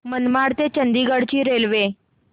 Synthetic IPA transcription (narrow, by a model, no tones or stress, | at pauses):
mənmaɽt̪et͡ɕənd̪iɡəɽt͡ɕiːɾelʋe